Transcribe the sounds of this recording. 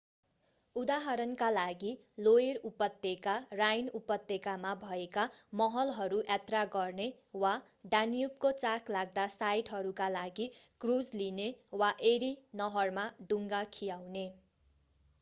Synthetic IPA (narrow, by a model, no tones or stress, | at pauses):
ud̪aɦʌɾʌnkalaɡi | loerupʌt̪ːekarajnupʌt̪ːekamabʱʌekamʌɦʌlɦʌɾuʔat̪raɡʌrne | wa | ɖanijupkot͡saklaɡd̪asajʈɦʌɾukalaɡikrud͡zlinewaʔeɾinʌɦʌrmaɖuŋɡakʰijawne